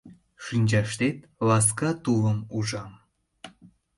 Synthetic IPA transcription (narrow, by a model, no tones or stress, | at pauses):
ʃynʲd͡ʑɑʃt̪et̪̚ | lɑs̬kɑt̪uləmuʒɑm